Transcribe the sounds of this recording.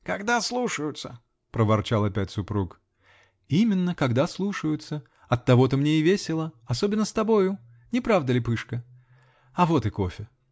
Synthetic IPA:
kɐɡd̪aslˠuʂəjʊt̪sə | pɾəvɐrt͡ɕalˠɐpʲæt̚ʲsʊpɾuk | imʲɪnːəkɐɡd̪aslˠuʂəjʊt̪sə | ɐt̪ːɐvo̞t̪əmnʲeɪvʲesʲɪlˠəɐsobʲɪnːəst̪ɐbo̞jʊ | nʲɪpɾavd̪əlʲɪpɨʂkə | ɐvo̞t̪ɨko̞fʲɪ

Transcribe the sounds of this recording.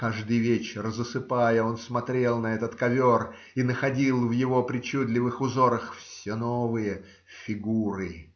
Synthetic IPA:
kaʐd̪ɨjvʲet͡ɕɪrzəsɨpajəo̞nsmɐt̪ɾʲe̞lˠnɐɛt̪ət̪kɐvʲor | inəxɐdʲilˠvjɪvo̞pɾʲɪt͡ɕud̪lʲɪvɨxʊzo̞ɾəxfsʲenovɨjə | fʲɪɡuɾɨ

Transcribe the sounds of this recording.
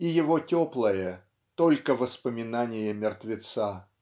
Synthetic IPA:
ijɪvotʲoplˠəjə | t̪olʲkəvəspəmʲɪnanʲɪjəmʲɪrt̪vʲɪt̪sa

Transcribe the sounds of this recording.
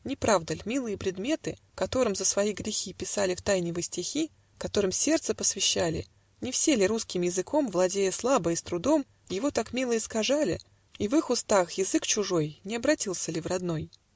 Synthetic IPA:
nʲɪpɾavd̪əlʲmʲilˠɨjəpɾʲɪd̪mʲe̞t̪ɨ | kɐt̪o̞ɾɨmzəsvɐiɡɾʲɪxʲipʲɪsalʲɪft̪ajnʲɪvɨjsʲtʲɪxʲi | kɐt̪o̞ɾɨmsʲe̞rt̪səpəsvʲɪɕːalʲɪ̰ | nʲɪfsʲelʲɪɾuskʲɪmjɪzɨkʰo̞mvlˠɐdʲejəslˠabəɪst̪ɾʊd̪o̞m | jɪvo̞t̪akmʲilˠəɪskɐʐalʲɪ̰ | ivɨxʊst̪axjɪzɨkt͡ɕʊʐo̞jnʲɪɐbɾɐtʲilˠsʲəlʲɪvrɐd̪no̞j

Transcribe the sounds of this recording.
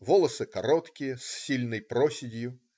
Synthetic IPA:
vɔlˠɐsɨkaɾɔt̪kʲijɐsːʲilʲnɐjpɾɔsʲɪdʲjʊ

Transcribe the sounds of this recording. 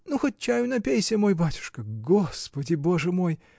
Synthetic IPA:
nuxot̚ʲt͡ɕæjʊnɐpʲejsʲəmo̞jbatʲʊ̥ʂkəɡospədʲɪbo̞ʐɨmo̞j

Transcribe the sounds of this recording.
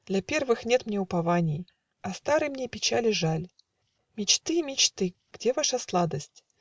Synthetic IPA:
d̪̥lʲɐpʲe̞rvɨxnʲet̪mnʲeʊpɐvanʲɪj | ɐst̪aɾɨjmnʲepʲɪt͡ɕalʲɪʐalʲ | mʲɪt͡ɕt̪ɨmʲɪt͡ɕt̪ɨ | ɡ̥dʲevaʂaslˠad̪əsʲtʲ

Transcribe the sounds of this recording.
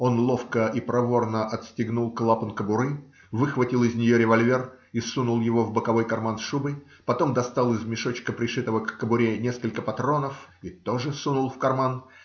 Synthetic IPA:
o̞nlˠo̞fkəʔipɾɐvo̞rnəʔɐt̪sʲtʲɪɡnulˠklˠapənkəbʊɾɨ | vɨxvɐtʲilˠɪzʲnʲɪjoɾʲɪvɐlʲvʲe̞r | isunʊlˠjɪvo̞vbəkɐvo̞jkɐrmansʂubəj | pɐt̪o̞md̪ɐst̪alˠɪzmʲɪʂo̞t͡ɕkəpɾʲɪʂɨt̪əvəkːəbʊɾʲenʲeskəlʲkəpɐt̪ɾo̞nəfit̪o̞ʐɨsunʊlˠfkɐrman

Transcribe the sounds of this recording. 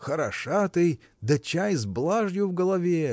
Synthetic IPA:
xəɾɐʂat̪ɨj | d̪ɐt͡ɕajzblˠaʐjʊvɡəlˠɐvʲe

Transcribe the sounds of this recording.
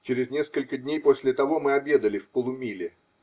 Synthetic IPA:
t͡ɕeɾʲɪznʲe̞skəlʲkəd̪ʲnʲejpo̞sʲlʲɪt̪ɐvo̞mɨɐbʲje̞d̪əlʲɪfpəlˠʊmʲilʲɪ

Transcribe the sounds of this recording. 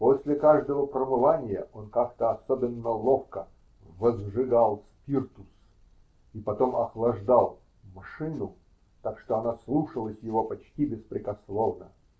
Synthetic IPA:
posʲlʲɪkaʐd̪əvəpɾəmɨvanʲɪjə̰ʔonkakt̪əɐsobʲɪnːəlˠofkə | vəzʐɨɡalˠspʲirt̪ʊs | ipɐt̪omɐxlˠɐʐd̪alˠ | mɐʂɨnʊ | t̪akʂt̪oɐnaslˠuʂəlˠəsʲjɪvo̞pɐt͡ɕtʲibʲɪspɾʲɪkɐslˠo̞vnə̰

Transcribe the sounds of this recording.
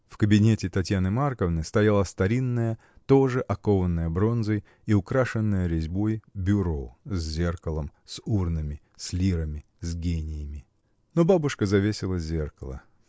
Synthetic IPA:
fkəbʲɪnʲetʲɪt̪ɐtʲjanɨmarkəvnɨjst̪ɐjalˠəst̪ɐɾʲinːəjə | t̪o̞ʐɨʔɐkovənːəjəbɾo̞nzəj | iʊkɾaʂɨnːəjəɾʲɪzʲbo̞jbʲʊɾozʲzʲerkəlˠəmsurnɨmʲɪ | sʲlʲiɾəmʲɪ | zʲɡʲenʲɪjɪmʲɪ | nobabʊʂkəzɐvʲesʲɪlˠəzʲerkəlˠə̰

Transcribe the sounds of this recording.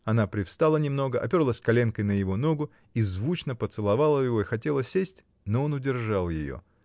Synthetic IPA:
ɐnapɾʲɪfst̪alˠənʲɪmno̞ɡəʔɐ̰pʲo̞rlˠəsʲkɐlʲe̞nkəjnəjɪvo̞no̞ɡʊ | izvut͡ɕnəpət̪sɨlˠɐvalˠəjɪvo̞ɪxɐtʲe̞lˠəsʲesʲtʲ | noo̞nʊdʲɪrʐalˠjɪ̰jo̰

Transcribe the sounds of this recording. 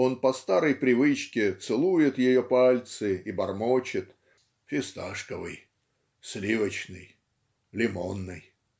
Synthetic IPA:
o̞npɐst̪aɾəjpɾʲɪvɨt͡ɕkʲɪt̪sɨlˠujɪt̪jɪjopalʲt̪sɨibɐrmot͡ɕɪt̪ | fʲɪst̪aʂkəvɨ̰j | slʲivət͡ɕnɨj | lʲɪmo̞nːɨj

